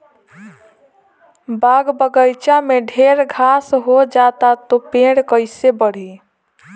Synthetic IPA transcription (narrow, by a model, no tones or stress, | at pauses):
baɡbəɡəjt͡ʃameɖʱeɾɡʱasɦod͡ʒat̪at̪opẽɽkəɪsebəɽ̤i